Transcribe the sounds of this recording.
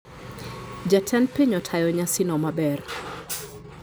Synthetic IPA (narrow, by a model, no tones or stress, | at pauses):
d͡ʒatʰɛnpeɲɔtʰajɔɲasinɔmabɛr